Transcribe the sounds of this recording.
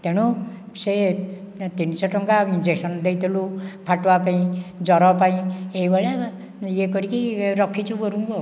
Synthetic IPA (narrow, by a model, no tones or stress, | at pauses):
t̪eɽ̃u | se | t̪insʌʈɔŋkaind͡zeksʌnd̪ejt̪ʰelupʰaʈwapaĩd͡zʌɾɔpaĩejbʌɭa | jekʌɾikiɾʌkʰːit͡sʰuɡʌɾuŋko